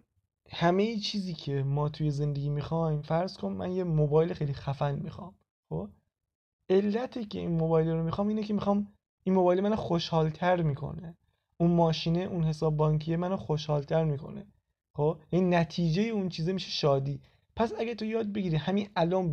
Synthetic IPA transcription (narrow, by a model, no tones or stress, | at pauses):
hæmejit͡ʃʰiːziːcʰe̞mɒːt̪ʰuje̞ze̞nd̪e̞ɡʲiːmixɒjmfæɾz̥kʰonmːæ̰njemobɒːjlexejlixæfænmixɒ̰m | xoːb | ʔe̞lːæt̪ʰecʰḛinmobɒːjleɾomixɒːmiːnece̞mixɒːm | ʔinmobɒːjelemænoxoʃhɒːlt̪ʰæɾmiːkʰo̰ne | ʔunmɒːʃiːneʔunhe̞sɒːbːɒːŋkʰijemænoxoʃhɒːlt̪ʰæɾmiːkʰo̰ne | xoːbjæniːnæt̪ʰiːd͡ʒejeunt͡ʃʰiːzemiːʃeʃɒːd̪iː | pʰæsæɟæɾt̪ʰojɒːd̪̚be̞ɟiːɾihæmiʔælɒːn